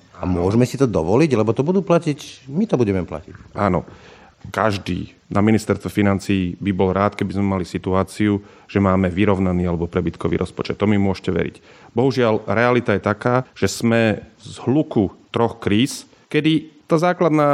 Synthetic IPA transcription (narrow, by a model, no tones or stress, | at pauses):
a̰mʊɔʒmɛsit̪ɔd̪ɔʋɔliɟlɛbɔt̪ɔbud̪uːplacicmit̪ɔbuɟɛmɛpla̰cicʔaːnɔ̰ | kaʒd̪ḭː | naminist̪ɛɾst̪ʋɛfinant͡siːbibɔlɾaːt̪kɛbizmɛmalisit̪uaːt͡siu | ʒ̥ɛmaːmɛʋiɾɔʊnaniːalɛbɔpɾɛbit̪kɔʋḭːɾʔɔspɔt͡ʃɛt̪ːɔmimʊɔʃcɛʋɛ̰ɾḭcbɔɦuʒɪalɾɛalit̪ajɛt̪akaːʒ̥ɛz̥mɛzɦlukut̪ɾɔxkɾiːs | kɛd̪it̪aːzaːklad̪naː